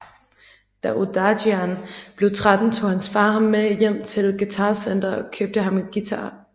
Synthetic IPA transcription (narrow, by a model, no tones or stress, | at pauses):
d̥æʔod̥ɑɕiænb̥le̝t͡sʰʁad̥n̩t͡sʰo̝̰ːhænsfɑ̈ːɦɑ̈mːejem̰t͡sʰe̝lɡ̥it͡sʰɑ̈ːsen̰d̥ɐɒ̽kʰøb̥̚d̥əɦɑ̈miɡ̥it͡sʰɑ̈ː